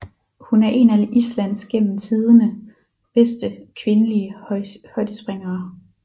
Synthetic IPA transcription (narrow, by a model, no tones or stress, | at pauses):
hunæɐʔe̝nælislæn̰sɡ̥en̰m̩t͡sʰið̞ˠənə | b̥esd̥əkʰʋe̝nəliəhɒ̽ɪd̥əsb̥ʁeŋɐː